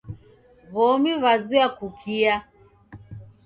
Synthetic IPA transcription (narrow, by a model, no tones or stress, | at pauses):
βɔmiβazuakukʰia